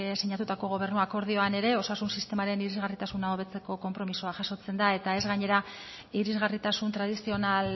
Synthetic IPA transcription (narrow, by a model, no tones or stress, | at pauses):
siɲat̪ut̪ako̞ɣ̞o̞β̞e̞rnuako̞ɾð̞io̞ane̞ɾe̞o̞sasunsist̪e̞maɾe̞niɾizɣarit̪asunaoβe̞t͡se̞ko̞ko̞mpɾo̞misoaʝaso̞t͡se̞nd̪ae̞t̪ae̞zɣaɲe̞ɾa | iɾizɣarit̪asunt̪ɾað̞isio̞nal